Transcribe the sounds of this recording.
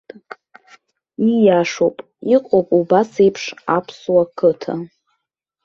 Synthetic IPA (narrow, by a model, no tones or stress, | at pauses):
ijaʂopʼ | iqʷʼopʼubasejpʰʂapʰswakʰɨtʰa̰